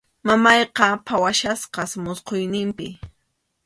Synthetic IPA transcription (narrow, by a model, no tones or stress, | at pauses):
mamɑjqɑpʰawaʃasqɑsmʊsqojnɪmpɪ̰